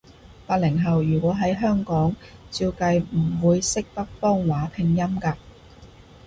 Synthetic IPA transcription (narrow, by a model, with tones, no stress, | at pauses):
faː˧t̚lɪ˨˩ŋɦɐ˨wjyː˨˩kʷwɔː˨˥ɦɐ˨˥jɦœː˥ŋkɔː˨˥ŋt͡siː˧wkɐ˧jm̩˨˩wuː˨˧jsɪ˥k̚t̪ɐ˥k̚fɔː˥ŋwaː˨˥pʰɪ˧ŋjɐ˥mkaː˧